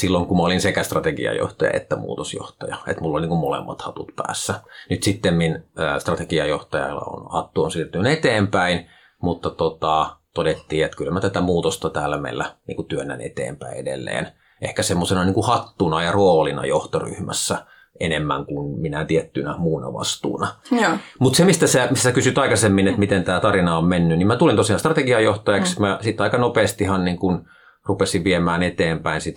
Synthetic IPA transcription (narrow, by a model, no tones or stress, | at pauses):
silːoŋkumæolinsekæst̪rɑt̪ekḭɑ̰jo̰ht̪ɑjɑ̰ʔḛt̪ːæmṵːt̪osjo̰ht̪ɑjɑḛt̪mulːolʲniŋkummolḛmːɑ̰t̪hɑt̪ut̪pæ̰ːsːænyt̪sit̪ːemminəst̪rɑt̪ekiɑjoht̪ɑjɑ̰lːɑ̰o̰nhɑt̪ːuonsiːrt̪yynet̪eːmpæin | mut̪ːɑt̪ot̪ɑt̪odet̪ːiːet̪kylmæt̪æt̪æmuːt̪ost̪ɑt̪æːlːæmḛlːænḭːŋkut̪yønːæ̰nḛt̪ḛːmpæiedḛlːḛːn | ʔḛhkæsemːosenɑniːŋkuhɑt̪ːunɑjɑroːlinɑ̰joht̪ory̰hmæ̰sːæ | ʔenemːæ̰ŋkunminæt̪iet̪ːynæmuːnɑ̰ʋɑ̰st̪ṵːnɑjmut̪semist̪æsemisːæsekysyt̪ɑikɑsemːinet̪mit̪ent̪æːt̪ɑrinɑommenːynimæt̪ulint̪osiɑnst̪rɑt̪eɡiɑjoht̪ɑjɑksmæsit̪ːɑikɑnopeːst̪ihɑnniːŋkun | rupesiʋʋiemæːnet̪eːmpæinsit̪